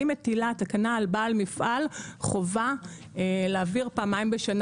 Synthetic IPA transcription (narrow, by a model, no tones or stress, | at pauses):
imetilat̪akanaːlbaːlmifʔalχo̞va | eleaːviʁpaːmaimbeʃan